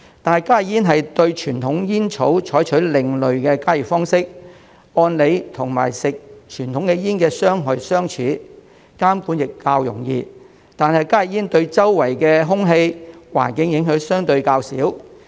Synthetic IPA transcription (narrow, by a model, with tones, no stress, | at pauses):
t̪aː˨nhɐ˨jkaː˥jjiː˥nɦɐ˨jt̪ɵ˧ɥt͡ʃʰyː˨˩nt̪ʰʊ˨˥ŋjiː˥nt͡ʃʰo˨˥wt͡ʃʰɔː˨˥jt͡ʃʰɵ˨˥lɪ˨ŋlɵ˨ɥkɛː˧kaː˥ji˨˩fɔː˥ŋsɪ˥k̚ | ɔː˧nle˨˧jt̪ʰʊ˨˩ŋma̰ː˨˩jsɪ˨k̚t͡ʃʰyː˨˩nt̪ʰʊ˨˥ŋkɛ˧jiː˥nkɛː˧sœː˥ŋɦɔ˨˧jsœː˥ŋt͡ʃʰyː˨˥ | kaː˥mku˨˥njɪ˨kːaː˧wjʊ̰˨˩ŋjiː˧ | t̪aː˨nhɐ˨jkaː˥jɪ˨˩jiː˥nt̪ɵ˧ɥt͡sɐ˥wːɐ˨˩jkɛː˧ɦʊ˥ŋɦe˧jwa̰ː˨˩nkɪ˨˥ŋjɪ˨˧˥ŋɦɵ˨˧˥wsœː˥ŋt̪ɵ˧ɥkaː˧wsḭː˨˥w